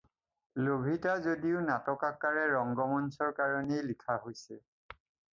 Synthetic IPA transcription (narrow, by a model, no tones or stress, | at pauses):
lobʱitazodiʊnatɔkakːaɹɛɹɔŋɡɔmɔnsɔɹkaɹɔnejlikʰaɦojsɛ